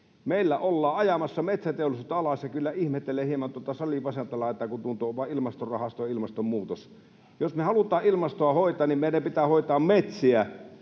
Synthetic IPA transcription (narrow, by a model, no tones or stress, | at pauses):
meˑilːæʔolːɑːɑjɑmɑsːɑmet̪sæt̪eolisuːt̪ːɑɑlɑsjɑkylːæihmet̪ːeleːhiemɑnt̪uŏt̪ːɑsɑlipɑsent̪ɑlɑet̪ːækut̪unt̪ˑoːʋɑˑʔilmɑst̪orrɑhɑst̪ojɑilmɑst̪ommuːt̪os | josmehɑlut̪ˑɑːʔilmɑst̪oɑhoˑit̪ˑɑːnnimeˑnæpit̪æːhoˑit̪ɑːmmet̪siæ